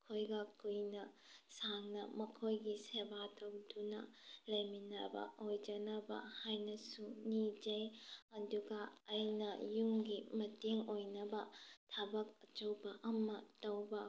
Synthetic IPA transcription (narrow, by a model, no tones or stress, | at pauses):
kʰojɡɐkujnɐ | saŋnɐ̰mɐkʰojɡisebatɐwdunɐ̰lɐjminɐbɐ̰ʔojd͡ʒɐnɐbɐ̰hajnɐsunid͡ʒɐjɐduɡɐːjnɐjumɡimɐteŋojnɐbɐtʰɐbɐk̚ɐt͡ʃɐwbɐʔɐmɐtɐwbɐ